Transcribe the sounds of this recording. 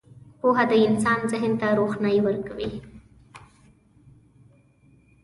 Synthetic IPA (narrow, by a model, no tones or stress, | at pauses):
poɦad̪əɪnsɑnzɪɦənt̪aɾoxnajwəɾkawi